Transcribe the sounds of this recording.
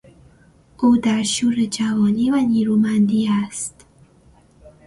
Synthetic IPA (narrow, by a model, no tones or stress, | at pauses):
ʔuːd̪æɾʃuːɾed͡ʒævɒːniːvæniːɾuːmænd̪iːæst̪